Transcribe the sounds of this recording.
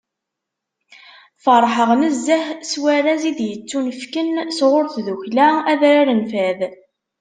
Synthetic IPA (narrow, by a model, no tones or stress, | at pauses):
fəɾˤħəʁnəzːəhswæɾæzid̪jət͡sːunəfkənsʁʊɾθðuçlææðɾaɾənfæð